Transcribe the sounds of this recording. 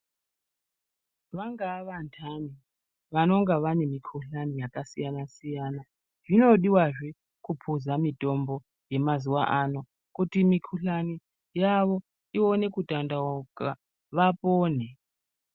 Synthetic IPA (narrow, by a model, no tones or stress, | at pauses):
ʋaŋɡaʋantʰani | ʋano̞ŋɡaʋanemikʰuɬanijakasijanasijana | ʐ̥ino̞ɗiwaʐe | kupʰuzamitʼo̞mbo | je̞mazuwa̰ʔano | kutimikʰuɬani | jaʋo | ione̞kutʼandaokʼa | ʋapʼoːn̤e